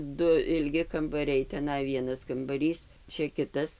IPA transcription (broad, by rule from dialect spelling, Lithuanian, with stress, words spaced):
ˈdʊ ɪlʲˈɡʲɪ kɐmbɐˈrʲɛɪ tʲɛˈnɐɪ ˈʋʲiɛnɐs kɐmbɐˈrʲiːs ˈt͡ʃʲɛ ˈkʲɪtɐs